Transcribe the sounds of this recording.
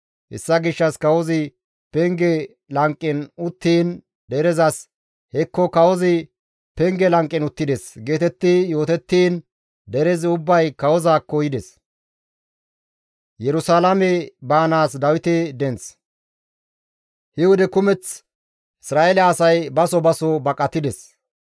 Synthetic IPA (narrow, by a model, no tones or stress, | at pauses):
hɛ̰sːɐɡɪʃːɐskɐwɔzɪ | pɛŋɡɛ | lɐŋkʼːɪnʊt̪ːiːn | d̪ɛɾɛzɐs | hɛkːɔkɐwɔzɪ | pɛŋɡɛlɐŋkʼːɪnʊt̪ːɪd̪ɛsɡe̞ːt̪ɛt̪ːɪjo̞ːt̪ɛt̪ːiːn | d̪ɛɾɛzɪʊbːɐjkɐwɔzaːkːɔjɪd̪ɛs | jɛɾʊsaːlɐmɛbaːnaːsd̪ɐwɪt̪ɛd̪ɛnt͡s | hɪwʊd̪ɛkʊmɛt͡s | ɪsɾaːʔɛlɛːsɐjbɐsɔbɐsɔbɐkʼːɐt̪ːɪd̪ɛs